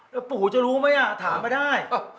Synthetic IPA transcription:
puː˨˩t͡ɕa˨˩ɾuː˦˥ma˦˥jʔa˨˩t̪ʰaː˩˦mpa˧jdaː˥˩j

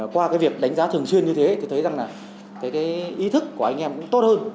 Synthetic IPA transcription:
kwaː˧kaː˨˦jvi˨˩ək̚ɗa˨˦jŋ̟zaː˨˦t̪ʰɨ˨˩əŋswənɲɨ˧t̪ʰe˨˦t̪o˧˩t̪ʰə˨˦jza˨˩ŋlaː˨˩ | kaː˨˦jkaː˨˦jʔi˨˦t̪ʰɨ˦˥kːu˧˩əa˧jŋ̟ʔɛ˧mkʊ̰˨˥ŋ͡mt̪o˦˥t̚həː˧n

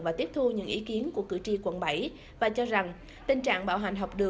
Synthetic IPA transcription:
vaː˨˩t̪i˦˥əp̚t̪ʰu˧ɲɨ̰˧˥ŋʔi˨˦ki˨˦ənku˧˩əkɨ̰˧˩t͡ɕi˧kwə̰˧˩nɓa˧˩j | vaː˨˩t͡ɕɔ˧za˨˩ŋ | t̪ï˨˩ŋ̟t͡ɕa̰ː˧˨ŋɓa̰ː˧˩wɦa˨˩jŋ̟ɦɔ˨˩wk͡p̚ɗɨ˨˩

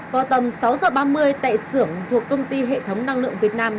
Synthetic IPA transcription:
kɔ˨˦t̪ə˨˩msa˨˦wzəː˨˩ɓaː˧mɨ˧əjt̪a̰ː˧˨jsɨ˧˩əŋt̪ʰu˨˩əkːə˧wŋ͡mt̪i˧ɦḛ˧˨t̪ʰə˨˦wŋ͡mna˧ŋlɨ̰˧˨əŋvi˨˩ət̚naː˧m

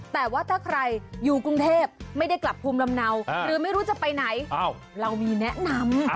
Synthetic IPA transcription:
t̪ɛː˨˩waː˥˩t̪ʰaː˥˩kʰɾa˧jjuː˨˩kɾu˧ŋt̪ʰeː˥˩p̚ma˥˩jda˥˩jkla˨˩pʰːuː˧mla˧mna˧wɾɯː˨˦ma˥˩jɾuː˦˥t͡ɕa˨˩pa˧jna˩˦j | ɾa˧wmiː˧nɛ˦˥ʔna˧m

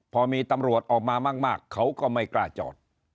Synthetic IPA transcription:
pʰɔː˧miː˧t̪a˧mɾu˨˩ət̪̚ʔɔː˨˩k̚maː˧maː˥˩k̚maː˥˩kʰːa˦˥wkɔː˥˩ma˥˩jklaː˧˩t͡ɕɔ̰ː˨˩t̪̚

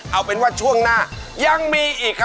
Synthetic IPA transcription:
ʔa˧˩wpe˧nwaː˦˥˩t͡ɕʰu˥˩əŋnaː˥˩ | ja˧ŋmiː˧ʔiː˨˩kʰː

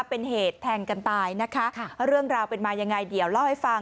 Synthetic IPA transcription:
pe˧nheː˨˩t̪ʰːɛː˧ŋka˧nt̪aː˧jna˦˥kʰa˦˥˧ɾɯ˥˩əŋɾaː˧wpe˧nmaː˧ja˧ŋːa˧jdi˨˩˦əwla˥˩wha˥˩jfa˧ŋ

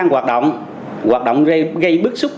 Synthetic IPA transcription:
ŋɣwaː˨˩t̚ɗo̰˧˨wŋ͡m | ɣwaː˨˩t̚ɗo̰˧˨wŋ͡mɣə˧jɣə˧jɓɨ˦˥k̚sʊ˦˥k͡p̚

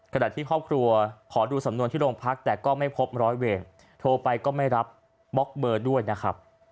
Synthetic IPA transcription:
kʰa˧na̰ː˨˩t̪ʰiː˥˩kʰɔː˥˩p̚kʰɾu˧ɐkʰɔː˩˦duː˧sa˩˦mnu˧ənt̪ʰiː˥˩ɾoː˧ŋpʰa˦˥k̚t̪ɛː˨˩kɔː˥˩ma˥˩jpʰo˦˥p̚ɾɔː˦˥jweː˧n | t̪ʰoː˧pa˧jkɔː˥˩ma˥˩jɾa˦˥p̚ | bɔ˦˥k̚bɤː˧du˥˩əjna˦˥kʰɾa˦˥p̚

